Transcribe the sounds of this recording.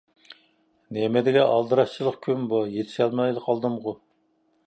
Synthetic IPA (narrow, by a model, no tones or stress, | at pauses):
nemɛd̪ɪɡʲɛʔɑlˠd̪ɨɾɑst͡ʃʰilˠəχkʲʰymbujet̪ʰɪ̥ʃɛlmɑjləqʰɑlˠd̪ɨmʁʊ